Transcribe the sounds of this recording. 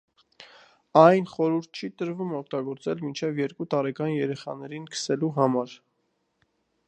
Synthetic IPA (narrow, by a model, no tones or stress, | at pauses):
ɑjnχɔɾuɾt̪̚ʰt͡ʃʰit̪əɾvumɔk̚ʰt̪ɑɡɔɾt͡sɛlmint͡ʃʰɛvjɛɾkut̪ɑɾɛkɑnjɛɾɛχɑ̰nɛɾinkʰə̥sɛluɦɑmɑɾ